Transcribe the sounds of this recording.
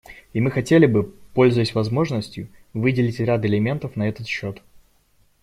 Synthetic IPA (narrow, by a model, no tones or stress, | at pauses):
imɨxɐtʲelʲɪbɨpo̞lʲzʊjɪsʲvɐzmo̞ʐnəsʲtʲjʊvɨdʲɪlʲɪtʲɾʲat̪ɪlʲɪmʲe̞nt̪əfnɐɛt̪ət̪ɕːo̞t̪